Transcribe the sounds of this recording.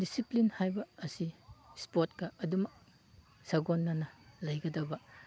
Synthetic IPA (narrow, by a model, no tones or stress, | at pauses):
disiplinhajbɐːsispotkɐɐdumɐk̚ | sɐɡonːɐnɐlɐjɡɐdɐbɐ